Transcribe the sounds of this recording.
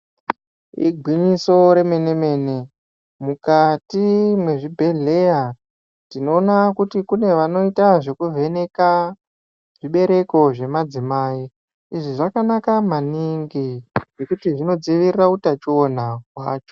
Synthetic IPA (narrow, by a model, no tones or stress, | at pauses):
ḭɡʱwiɲiso̞ɾe̞me̞ne̞me̞ːne̞ | mukatimwe̞ʐibʱe̞ɮe̞ja | tino̞ːnakutikune̞ʋano̞itaʐe̞kuvʱe̞neka | ʐ̥iɓe̞ɾe̞ko̞ʐe̞mad͡zimai | iʐiʐakanakamaniŋɡiʐekutiʐino̞d͡ziʋirirautat͡ʃionakwaːt͡ʃo̥